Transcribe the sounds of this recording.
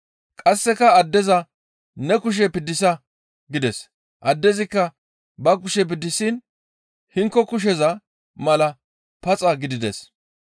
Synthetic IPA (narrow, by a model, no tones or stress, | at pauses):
kʼɐsːɛkɐɐd̪ːɛzɐ | nɛkʊʃ̬ɛpɪd̪ːɪsɐ | ɡɪd̪ɛs | ʔɐd̪ːɛzɪkːɐ | bɐkʊʃɛp̬ɪd̪ːɪsin | hɪŋkːɔkʊʃ̬ɛzɐ | mɐlɐ | pɐt͡sʼɐɡɪd̪ɪd̪ɛs